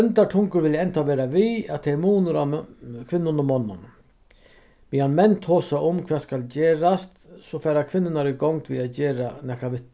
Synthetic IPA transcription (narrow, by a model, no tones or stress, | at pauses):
ɛnt̪aʈʰʊŋkəɾʋɪlɛnt̪ʰaʋɛːɾaʋiat̪ʰɛmuːnəɾakʰʋɪnːʊnʊmːɔnːa̰n | mihanmɛnt̪ʰhoːsaʊmkʰʋɛːskald͡ʑeːɾast̪sɔfæːɾakʰʋɪnːɪnaɾiɡɔŋt̪ʋiad͡ʑeːɾanɛhkaʋɪt̪